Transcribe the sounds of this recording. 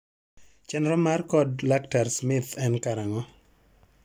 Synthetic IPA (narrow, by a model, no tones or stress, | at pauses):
t͡ʃɛnɾɔmarkɔdlaktaɾsmɪt̪ɛnkaɾaŋɔ